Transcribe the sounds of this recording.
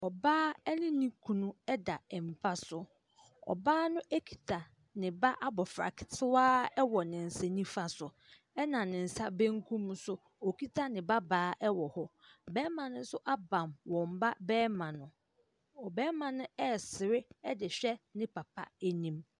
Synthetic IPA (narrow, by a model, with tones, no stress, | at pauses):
ɔ˨baː˦ɛ˦nɪ̃˦nĩ˦kʰũ˨nũ˦ɛ˦da˨ɛ˨m̩˨pʰa˦sʊ˨ | ɔ̰˨baː˦nʊ̃˦ʔɛ˦kʰi̥˨tʰa˨ | nɪ̃˨ba˦ʔa˦bɔ˨fɾa̰˨kʰɪ̥˨tʰɪ˦waː˦ɛ˦wɔ˨nɪ̃˨n̩˨sɛ˨nĩ˦fa˦sʊ˨ | ɛ˦nã˨nɪ̃˨n̩˨sa˦bæ̃˦ŋkʰũ˦msʊ˦ | ɔ˨kʰi˦tʰa˦nɪ̃˨ba˦baː˨˦ʔɛ˦wɔ˨hɔ˦bɛː˦mã˨nʊ̃˦n̩˦sʊ˦ʔa˦bã˨mwɔ̃˨m˨ba˦bɛː˦mã˨nʊ̃˨ | ɔ˨bɛː˦mã˨nʊ̃˦ɛ˦˨sɪ˨ɾɪ˦ɛ˦dɪ˨ɕᶣɛ˦nɪ̃˦pʰa˨pʰa̰˦æ˦nĩ˦m